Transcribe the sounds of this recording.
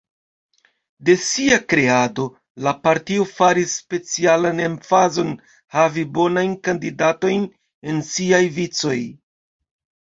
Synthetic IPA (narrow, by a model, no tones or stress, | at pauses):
de̞siakɾe̞ado̞ | lapaɾtio̞faɾisːpe̞t͡sialane̞mfazo̞n | havibo̞najnkandidato̞jn | e̞nsiajvit͡so̞j